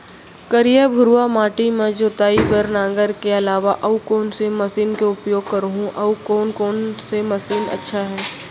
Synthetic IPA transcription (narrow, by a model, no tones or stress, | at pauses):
kɐɾijəbʱʊɾuamaːʈimẽd͡ʒoːt̪aːipɐɾnãːŋɡəɾkeɐlaːʋaʔɐukɔːnsemɐsiːnkeʊpjoːɡ̚kɐɾɦũʔɐukɔːnkɔːnsemɐsiːnɐ̰tːʃʰaɦɛː